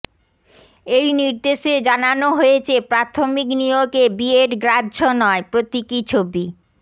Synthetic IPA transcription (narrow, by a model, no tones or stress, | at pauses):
ejniɾd̪eʃed͡ʑananoɦojet͡ɕʰepɾat̪ʰomiknijoɡebieʈɡɾadːd͡ʑonɔepɾot̪ikit͡ɕʰobi